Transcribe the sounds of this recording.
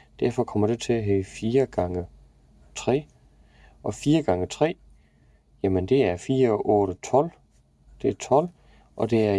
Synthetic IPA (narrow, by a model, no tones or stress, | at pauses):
d̥æɐ̰fɒ̽kʰɒ̽m̰ɐd̥e̝t͡sʰe̝æɦɛːfiːɐɡ̥ɑ̈ŋə | t͡sʰʁɛ̰ː | ʔɒ̽fiːɐɡ̥ɑ̈ŋət͡sʰʁɛ̰ː | jæmənd̥e̝æɐfiːɐɒʔɔ̽ːɾ̥ət͡sʰɒ̽l̰ | d̥e̝æɐt͡sʰɒ̽l̰ | ʔɒ̽d̥e̝æɐ